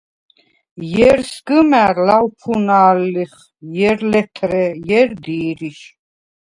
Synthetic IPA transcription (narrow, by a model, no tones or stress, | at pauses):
jɛɾsɡɨmæɾlawpʰunaːlːiχ | jɛɾlɛt̪ʰɾɛjɛɾd̪iːɾiʃ